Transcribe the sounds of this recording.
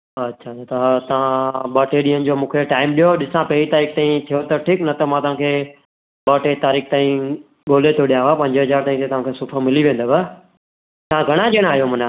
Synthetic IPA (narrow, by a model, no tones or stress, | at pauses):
ɐtːʃʰat̪at̪ɐt̪ɐʋ̤ãɓɐːʈeɗĩːənɪ̆d͡ʑoːmũːkʰeʈaːɪmɗijoɗɪsãpɐit̪aːɾiːkt̪aːĩt̪ʰijot̪ɐʈʰiknɐt̪ɐmãt̪ɐʋ̤ãkʰeː | ɓɐːʈet̪aːɾiːkt̪aːĩ | ɡoːlet̪ʰijoɗijaɦapɐ̃ɲd͡ʑəɦɐzaːɾt̪aːĩt̪ʰet̪ɐʋ̤ãkʰesʊpʰəmɪliʋẽːnd̪oba | t̪ɐãɡʱɐɽ̃ãd͡ʑeːɽ̃aːɦijomʊ̃na